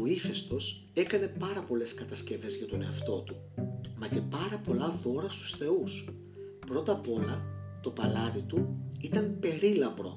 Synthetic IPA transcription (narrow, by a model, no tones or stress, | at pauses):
oiθe̞st̪o̞s | e̞kɐne̞pɐɾɐpo̞le̞skɐt̪ɐsce̞ve̞zʝɐt̪o̞ne̞ɐft̪o̞t̪u | mɐce̞pɐɾɐpo̞lɐðo̞ɾɐst̪u̥sθe̞us | pɾo̞t̪ɐpo̞lɐt̪o̞pɐlɐt̪it̪uit̪ɐmpe̞ɾilɐpɾo̞̰